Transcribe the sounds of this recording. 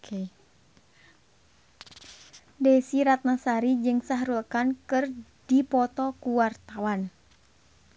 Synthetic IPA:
kʰe | dɛsiɾat̪̚nasaɾid͡ʒɨŋsaɦɾulkankɨrdipɔt̪ɔkuwart̪awan

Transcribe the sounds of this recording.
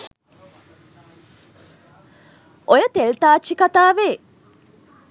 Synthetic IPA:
ʔojɐt̪elt̪aːt͡ʃːikat̪aːʋeː

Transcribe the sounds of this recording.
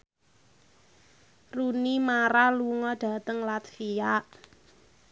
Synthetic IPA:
runimaɾaluŋɔɖ̥ä̤t̪əŋlat̪fijaʔ

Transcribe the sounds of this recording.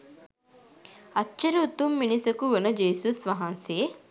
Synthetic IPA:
ɐt͡ʃːɐɾeut̪umːinisɐkuʋenəd͡ʒeːsusʋɐɦɐnse

